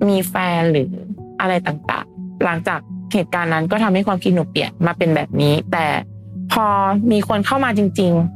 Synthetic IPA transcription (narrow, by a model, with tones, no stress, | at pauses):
miː˧fɛː˧nɾɯː˩˦ʔa˧ɾa˧jt̪aː˨˩ŋt̪a̰ː˨˩ŋla˩˦ŋt͡ɕaː˨˩k̚heː˨˩t̪̚kaː˧nːa˦˥nkɔː˥˩t̪ʰa˧mha˥˩jkʰwaː˧mkʰi˧˦t̪̚nuː˨˩pi˨˩ənmaː˧pe˧nbɛː˨˩p̚niː˦˥t̪ɛ̰ː˨˩ | pʰɔː˧miː˧kʰo˧nkʰa˥˩wmaː˧t͡ɕi˧ŋt͡ɕi˧ŋ